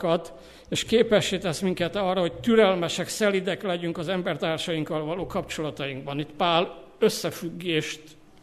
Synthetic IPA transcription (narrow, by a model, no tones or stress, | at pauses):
kɒt̪ | eːʃkeːpɛʃːeːt̪ɛsmiŋkɛt̪ɒrːɒho̞ct̪yɾɛlmɛʃɛksɛlid̪ɛklɛɟyŋkɒzɛmbɛrt̪aːrʃɒjiŋkɒlvɒloːkɒpt͡ʃo̞lɒt̪ɒjiŋɡ̚bɒnit̪paːl | øsːɛfyɡːeːʃt̪